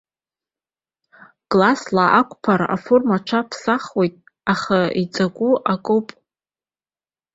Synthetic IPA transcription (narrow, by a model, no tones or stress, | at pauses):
ɡ̥ʼlaslaʔakʷʰʼpʰaɾa̰formaʈ͡ʂʰapʰsaχwe̞jtʼ | aχait͡sʼaɡʷʼuʔakʼowpʼ